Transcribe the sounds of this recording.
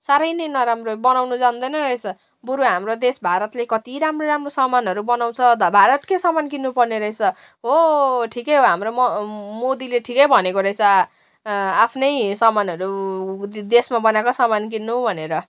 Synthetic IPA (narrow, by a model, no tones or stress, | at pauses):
saɾʌjnʌjnʌɾamrobʌnawnud͡zand̪ʌjnʌrʌjt͡sʰʌ | buɾuɦamrod̪esbʱaɾʌt̪lekʌt̪iɾamroɾamrosʌmanɦʌɾubʌnaw̃t͡sʰʌd̪ʌbʱaɾʌt̪kesʌmankinːupʌrneɾʌjt͡sʰʌ | ɦoʈʰikʌjɦoɦamrommod̪ileʈʰikʌjbʱʌnekoɾʌjt͡sʰʌ | apʰnʌjsʌmanʌɾu | d̪esmabʌnakosʌmank̬inːubʱʌneɾʌ